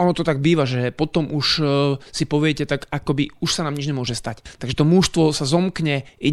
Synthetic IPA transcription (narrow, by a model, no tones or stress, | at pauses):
ɔnɔt̪ɔt̪aɡ̚biːʋaʒɛpɔt̪ɔmuʃsipɔʋɪɛcɛt̪akakɔbiuʃsanaːmɲid͡ʒɲɛmʊɔʒɛst̪act̪aɡʒɛt̪ɔmuʃst̪ʋɔsazɔmkɲɛi